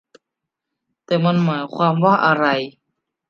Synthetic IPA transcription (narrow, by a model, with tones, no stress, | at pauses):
t̪ɛː˨˩ma˧˥nmaː˩˦jkʰwaː˧mwaː˥˩ʔa˧ɾa˧j